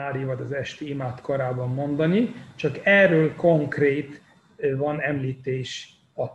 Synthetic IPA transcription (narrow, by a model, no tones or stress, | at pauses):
aːɾivɒɟɒzɛʃt̪iimaːt̪koɾaːbɒmːo̞nd̪ɒnit͡ʃɒkɛːrːøːlko̞ŋkreːt̪ | vɒnɛmliːt̪eːʃ | ɒ